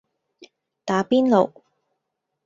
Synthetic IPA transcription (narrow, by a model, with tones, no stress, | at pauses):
t̪aː˨˥piː˥nlo˨˩w